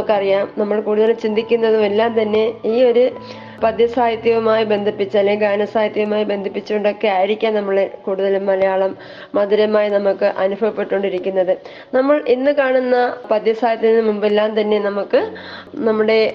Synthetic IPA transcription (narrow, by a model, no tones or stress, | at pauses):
kːɐrijaːmnɐmːɐɭkuːɽuðɐlumt͡ɕind̪ʱikʲːunːɐðumelːaːmt̪ɐnːe̞iːo̞ɾu | pɐd̪jɐsaːjt̪jɐʋɐmaːjibe̞nd̪ʱipːit͡ɕːɐlːeɡaːnɐsaːjɐt̪jɐʋɐmaːjibe̞nd̪ʱipːit͡ɕːuoɳɖokːeaːjiɾikʲːaːnnɐmːuɭekuːɽuðɐlummɐlɐjaːɭɐmː | ɐd̪iɾɐmaːjinɐmukːɨʔɐnubʱɐʋɐpːe̞ʈːoɳɖiɾikʲːunːɐðɨ | nɐmːɐɭinːɨkaːɳunːɐpɐd̪jɐsaːjɐt̪jɐnːɨmumbelːaːmt̪ɐnːe̞nɐmukːɨ | nɐmːuɽe̞